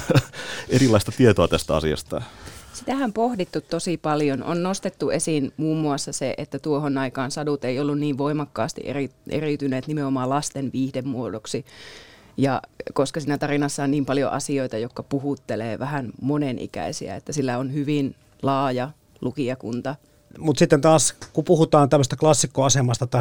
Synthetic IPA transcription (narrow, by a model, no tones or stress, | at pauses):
erilːˑɑist̪ɑt̪iet̪oɑt̪æst̪æɑ̰sḭɑ̰st̪ɑ̰sit̪æhæmpohdit̪ːut̪t̪ːosipɑljono̰nnost̪et̪ːuesiːnmuːmːuɑsːɑseʔḛt̪ːæt̪uohonɑikɑːnsɑdut̪eijolːunniːʋʋoimɑkːɑːst̪ḭʔḛriʔḛrit̪yneːt̪nimeomɑːlɑst̪enʋiːhdemmuodoksi | jɑ̰koskɑsiːnæt̪ɑrinɑsːɑonniːmpɑljo̰ʔɑ̰sioit̪ɑjokːɑpuhut̪ːelḛːʋæhænmonenʔḭkæ̰isḭæ̰ḛt̪ːæsilːæonhyʋin | lɑːjɑ | lukiɑkṵnt̪ɑ | mut̪sit̪ːent̪ɑːskupuhut̪ɑːnt̪æmːøst̪æklɑsːikːoɑsemɑst̪ɑt̪ɑ